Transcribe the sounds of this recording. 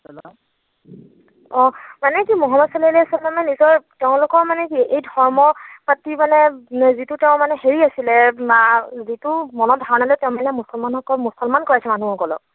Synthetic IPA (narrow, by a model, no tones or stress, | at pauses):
ɔ̃manɛkimɔɦɔmɔsɔlliasɛlanɛnizɔɹteʊ̃lʊkɔɹmanɛkiejdʱɔɹmɔpatimanɛzitʊteʊ̃manɛheɹiasilɛmazitʊmɔnɔt̚bʱaɹɔnalɛtɛʊ̃manɛmusɔlmanɔkɔlmusɔlmankɔɹasɛmanuhɔkɔlɔ̰k